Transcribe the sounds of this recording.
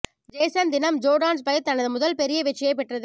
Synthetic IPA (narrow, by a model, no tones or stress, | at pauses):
d͡ʒeːsɐnd̪ɪnɐmd͡ʒoːɽaːns̬pɐjɐt̪ːɐnɐðɯmʊðɐlpɛɾɪjɐʋɪʈt͡ʃːɐjɐɪpːɛʈrɐðɯ